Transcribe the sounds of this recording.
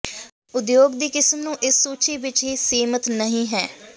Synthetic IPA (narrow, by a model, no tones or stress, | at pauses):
ʊd̪joːɡd̪iːkɪsmnũːʔɪsːuːt͡ʃiːʋɪt͡ʃɦiːseːmət̪nəɦĩːɦɛː